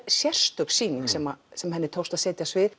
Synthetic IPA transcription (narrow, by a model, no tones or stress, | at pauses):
sjɛr̥st̪ʏpsiːniŋsɛma̰sɛmɦɛnːɪɾt̪ʰowst̪aðseːjt̪jasvɪ